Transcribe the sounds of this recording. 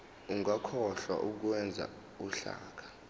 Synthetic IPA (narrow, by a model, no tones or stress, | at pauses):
uŋakʰɔɬwa̰ʔuk̬wɛnd͡zʱa̰ | uɬa̰ːk̬ʰḁ